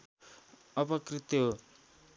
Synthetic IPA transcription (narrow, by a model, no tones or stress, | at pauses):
ʌpʌkrit̪oɦ